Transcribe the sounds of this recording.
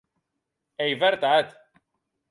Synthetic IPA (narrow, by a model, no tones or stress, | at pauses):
ejvɛɾt̪ad̪